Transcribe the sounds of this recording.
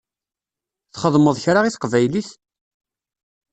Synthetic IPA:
θχəðˤməðˤçɾaʁiθqvæjliθ

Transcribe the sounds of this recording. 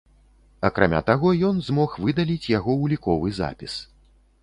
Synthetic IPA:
ɐkɾamʲa̰t̪aɣɔjɔnzmɔxvɨd̪alʲit͡sʲjaɣɔwlʲikɔvɨza̰pʲis

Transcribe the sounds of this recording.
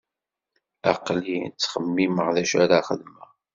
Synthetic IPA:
ɑqlit͡sːχəmːiməʁðæʃæɾaχəðmæ

